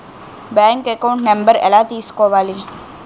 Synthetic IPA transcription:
bɛ̃ŋkekaʊ̃ɳʈnẽmbəɾḛlaːt̪iːskoʋaːli

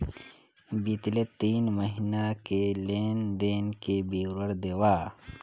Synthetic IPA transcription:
bit̪let̪iːnmɐɦinakeleːnd̪eːnkebiːɾɐɾd̪ewaː

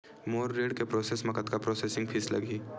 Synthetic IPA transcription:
moːɾːeːɽkepɾoːseːsmɐkət̪kapɾoːseːsɪ̃ŋɡpʰɪslɐ̰ɡiː

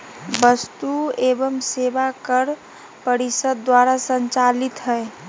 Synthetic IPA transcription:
bəst̪uebəmsebakəɾ | pəɾisəd̪ːwaɾasənt͡ʃalit̪ɦəe

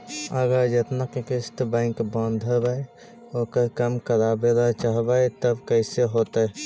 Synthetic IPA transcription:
əɡəɾd͡ʒet̪nakekɪst̪bɛ̃ŋkbãːnd̪ʱəbəj | okəɾkəmkəɾabelat͡ʃaːɦbajt̪əbkəɪseɦoːt̪ae

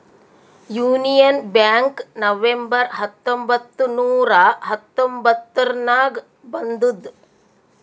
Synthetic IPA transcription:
juːnijɐnbjaːŋknɐʋembɐɾɦɐt̪ːombɐt̪ːunuːɾɐɦɐt̪ːombɐt̪ːɐɾnaːɡ | bɐnd̪ud̪

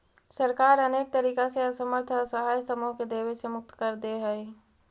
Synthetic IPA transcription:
səɾkaːɾɐneːk̚t̪əɾiːkaseɐsəməɾt̪ʰəsəɦaːjsəmoɦked̪eːʋesemʊk̚t̪kəɾd̪eɦɛ

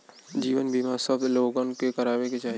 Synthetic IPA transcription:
d͡ʒiːʋənbʱimasəbloːɡənkekɐɾaːbeket͡ʃaːɦi

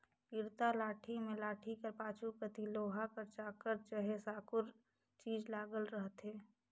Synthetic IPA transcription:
ɪɾt̪alaːʈʰimẽlaːʈʰikəɾpaːt͡ʃʰupɾət̪iloːɦakəɾt͡ʃaːkəɾt͡ʃəɦesaːkʊɾ | t͡ʃiːd͡ʒlaːɡəlɾəɦt̪ɦeː

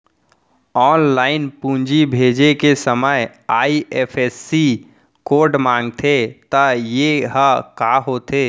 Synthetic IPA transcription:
ɔːnlaːɪnpũːɲd͡ʒibʱeːd͡ʒekesəməj | aːieːpʰɛːsːi | koːɖmãːŋɡt̪ʰet̪ajeɦəkaːɦoːt̪ʰeː

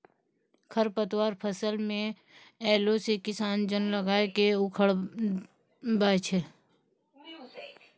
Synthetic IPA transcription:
kʰəɾpət̪waːɾpʰəsəlmẽ | ɛːlosekɪsaːnd͡ʒənləɡaːekeʊkʰəɽ | bat͡ʃʰɛ

